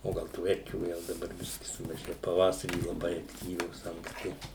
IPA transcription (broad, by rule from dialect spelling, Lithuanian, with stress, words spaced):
oː ˈɡɐlˠ tuː ˈɛrʲkʲuː jɛʊ dɐˈbɐr ˈbʲɪsʲkʲɪ sʊmɐˈʒʲeːjʊ pɐˈʋɑːsɐrʲiː lˠɐˈbɐɪ ɐkˈtʲiːʋʲoːs ɐŋkˈsʲtʲɪ